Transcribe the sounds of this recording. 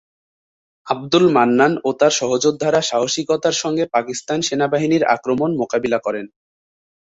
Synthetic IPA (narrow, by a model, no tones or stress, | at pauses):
ab̚d̪ulmanːanot̪aɾʃɔɦod͡ʑod̪ʱːaɾaʃaɦoʃikot̪aɾʃɔŋɡepakist̪anʃenabaɦiniɾa̰kɾomonmokabilakɔɾen